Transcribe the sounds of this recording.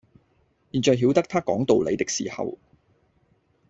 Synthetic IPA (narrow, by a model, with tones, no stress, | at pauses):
jiː˨nt͡ʃɔː˨˧jɦi˨˥wt̪ɐ˥k̚t̪ʰaː˥kɔː˨˥ŋt̪o˨˧wlḛ˨˧jt̪ɪ˨˥k̚sḭː˨˩hɐ̰˨w